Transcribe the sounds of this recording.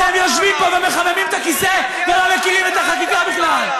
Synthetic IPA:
emjo̞ʃvimpo̞vemeχamemimet̪akise̞ | velomekiʁimet̪aχat̪ikabiχlal

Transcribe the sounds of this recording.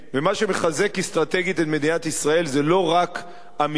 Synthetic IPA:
vemaʃe̞meχaze̞kist̪ʁat̪e̞ɡit̪et̪me̞d̪inat̪isʁae̞lzelo̞ʁak | ami

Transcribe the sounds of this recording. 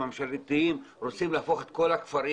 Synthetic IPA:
amʃalt̪iimʁot͡simlaafo̞χet̪ko̞lakfaɾi

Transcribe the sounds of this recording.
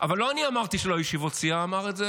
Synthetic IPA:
ʔavalːo̞aniamaʁt̪iʃelo̞jiʃivot͡siaːmaʁetze

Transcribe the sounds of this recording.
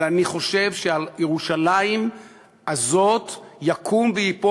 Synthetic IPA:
laniχo̞ʃe̞vʃealjeʁuʃalaim | azo̞t̪jakʰumvejipo

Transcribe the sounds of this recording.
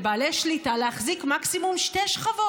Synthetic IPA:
baːleʃlitaleaχzikmaksimumʃteʃχavo

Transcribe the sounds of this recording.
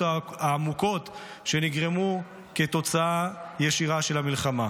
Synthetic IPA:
aaːmuko̞t | ʃe̞niɡʁemu | ket̪o̞t͡saajeʃiʁaʃe̞lamilχama

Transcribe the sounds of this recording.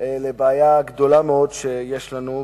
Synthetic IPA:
lebeajaɡd̪o̞lameo̞d̪ʃejeʃlanu

